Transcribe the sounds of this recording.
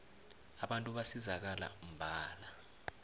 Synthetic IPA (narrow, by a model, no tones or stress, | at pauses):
aɓantʼuɓasizak̬ala̰um̩bʱaːla